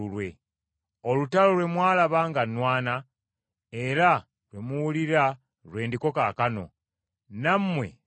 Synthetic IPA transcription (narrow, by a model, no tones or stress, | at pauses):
ulwe̞ | olutalo̞lwe̞mwaːlaβaːŋɡanwaːna | e̞ɾa | lwemuwuliɾa | lwe̞ːndiko̞kaːkano̞̰ | nammːwe̞̰